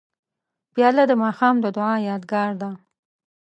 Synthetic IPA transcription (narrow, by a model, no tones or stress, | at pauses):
b̥jɑlad̪əmɑxɑmd̪əd̪ʊʕɑjɑd̪ɡɑɾd̪a